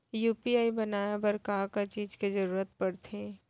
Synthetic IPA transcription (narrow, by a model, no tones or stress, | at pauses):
juːpiaːibɐnaːjabɐɾkaːkat͡ʃiːd͡ʒkezɐɾuːɾət̪̚pɐɽt̪ẽː